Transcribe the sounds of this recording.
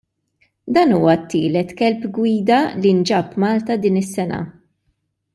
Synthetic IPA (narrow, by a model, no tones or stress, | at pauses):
d̪ɐːnuːwɐt̪ːiːlɛt̪kɛlpɡwiːd̪ɐlind͡ʒɐpːmɐːlt̪ɐd̪iːnɪsːɛnɐ̰